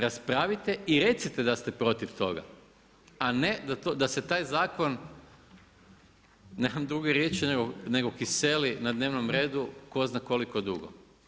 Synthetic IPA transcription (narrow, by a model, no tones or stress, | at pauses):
ɾaspɾaʋit̪eiɾe̞t̪sit̪ed̪ast̪epɾo̞t̪iʋt̪o̞̰ɡa̰ | aned̪at̪od̪aset̪aːjzaːko̞n | nemamd̪ɾuɡeɾje̞t͡ʃineɡone̞ɡo̞kise̞linad̪ne̞ːʋnomɾeːd̪uko̞znako̞likod̪uɡo̰